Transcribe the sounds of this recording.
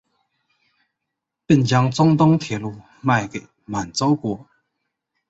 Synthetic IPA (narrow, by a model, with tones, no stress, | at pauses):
pi˥˨nt͡ɕa˧ŋt͡sɔ˦˥ŋt̪ɔ˥ŋt̪ʰjɛ˨˧˦lu˧˨ | ma˥˧˨jkḛ˨ | ma˨˩nt͡so˦wkwɔ˧˩˨